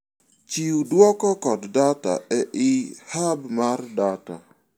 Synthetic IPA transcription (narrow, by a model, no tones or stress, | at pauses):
t͡ʃiudwɔkɔkɔddata̰ɛʔɪhabmardata̰